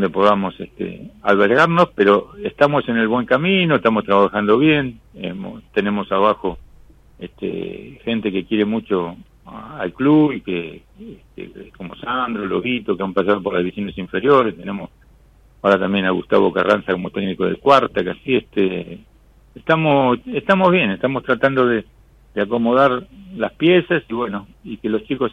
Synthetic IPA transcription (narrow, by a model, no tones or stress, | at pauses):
dond̪epo̞ðamo̞seht̪ḛalβeɾɣaɾno̞speɾo̞est̪amo̞se̞ne̞lβwe̞ŋkaminoeht̪amost̪ɾaβaxand̪o̞β̞je̞n | ḛmo̰t̪e̞ne̞mo̞saβaxo̞ | est̪ḛxe̞nt̪e̞ke̞kje̞ɾe̞mut͡ʃo̞ | alkluβike | eht̪ḛko̞mo̞̰sand̪ɾoloβit̪okeampas̬að̞o̞p̬oɾlazβisjonesiɱfe̞ɾjo̞ɾe̞st̪ene̞mos | aoɾat̪ambje̞naɣṵst̪a̰βoka̰rʔa̰nsako̞mo̞t̪ekniko̞ðḛlkwaɾt̪akasieht̪eː | ht̪amoeht̪amo̞zβ̞je̞neht̪amost̪ɾat̪and̪o̞ðe | d̪̥eako̞mo̞ðaɾlaspje̞sasiβwe̞no̞ | ike̞lo̞st͡ʃiko̞s